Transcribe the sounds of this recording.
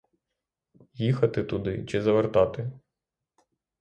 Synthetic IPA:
jixɐt̪ɪt̪ʊd̪ɪt͡ʃɪzɐʋert̪ɑt̪ɪ

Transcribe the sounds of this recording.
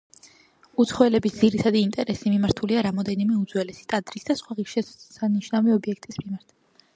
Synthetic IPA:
ut̪sʰχɔɛlɛbisd̪z̥iɾit̪ʰad̪iːnt̪ʼɛɾɛsimimaɾt̪ʰuliaɾamɔd̪ɛnimɛud̪zwɛlɛsi̥t̪ʼad̪ɾisd̪asχwaʁiʃɛsaniʃnaviɔbiɛk̚ʰt̪ʼismimaɾt̪ʰ

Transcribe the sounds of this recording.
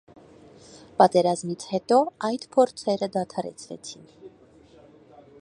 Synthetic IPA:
pɑt̪ɛɾɑzmit͡sʰhɛt̪ɔɑjd̪pʰɔɾt͡sʰɛɾəd̪ɑt̪ʰɑɾɛ̰t͡sʰvɛ̰t͡sʰin

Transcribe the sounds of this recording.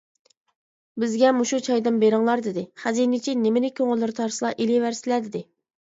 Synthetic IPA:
bɪzɡʲɛmuʃut͡ʃʰɑjd̪ɨmbeɾɪŋlˠɑɾd̪ɪd̪ɪχæzinɪt͡ʃʰinɪmɪnɪkʲʰøŋɪlːɪɾt̪ʰɑɾsɨlˠɑʔilivæɾsɪlɛd̪ɪd̪ɪ

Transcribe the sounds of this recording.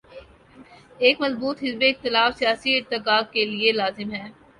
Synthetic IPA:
eːkmɐzbuːt̪ɦɪzbeɪxt̪ɪlaːfsijaːsiɪɾt̪ɪkaːɡ̚kelielaːzɪmɦɛː

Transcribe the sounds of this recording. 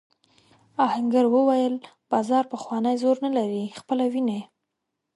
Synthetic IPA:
ɑhaŋɡaɾwəwajəl | b̥ɑzɑɾpəxwɑnəjzoɾnalaɾixpəlawinaje

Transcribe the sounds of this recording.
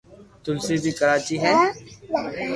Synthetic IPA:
t̪ʊlsibʱiːkəɾaːt͡ʃiɦɛː

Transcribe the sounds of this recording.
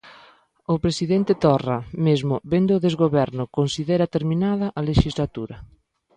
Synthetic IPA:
ʊpɾesiðent̪ɪt̪ɔramezmʊbend̪ʊːðezɣoβɛɾnʊkonsiðɛɾɐt̪eɾminaðɐʔaleʃizlat̪uɾɐ

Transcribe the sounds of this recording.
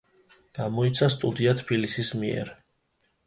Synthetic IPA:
ɡ̥amɔit̪sʰast̪ʼud̪iat̪ʰbilisismiɛ̰ɾ

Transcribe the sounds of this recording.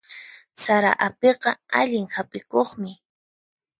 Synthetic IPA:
saɾa̰ʔapeqɑaʎɪŋhapʼɪkoχmɪ

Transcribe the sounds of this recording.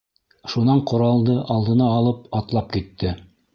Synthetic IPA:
ʃunɑɴqŏɾɑlˠd̪ɤʔɑlˠd̪ɤ̆nɑːlˠɤp̚ɑt̪lˠɑp̚kit̪ːɘ

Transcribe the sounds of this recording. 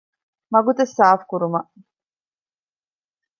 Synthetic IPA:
mɐɡut̪ɐsːaːfkuɾumɐʔ

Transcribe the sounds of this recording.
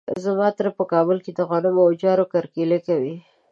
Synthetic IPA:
zamɑt̪ɾapəkɑbʊlked̪əɣanʊmod͡ʒɑɾokaɾkelekawi

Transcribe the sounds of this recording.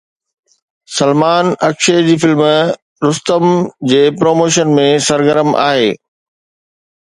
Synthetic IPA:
sɐlmaːnɐkʃeːd͡ʑiːfɪlm | ɾʊst̪əmd͡ʑeːpɾoːmoːʃ̬ənmẽsɐɾɡəɾəmʔa̰ːɦeː

